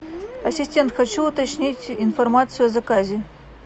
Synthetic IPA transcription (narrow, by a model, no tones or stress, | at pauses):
ɐsʲɪsʲtʲe̞nt̪xɐt͡ɕuːt̪ɐt͡ɕnʲitʲinformat̪sɨjʊɐzɐkazʲɪ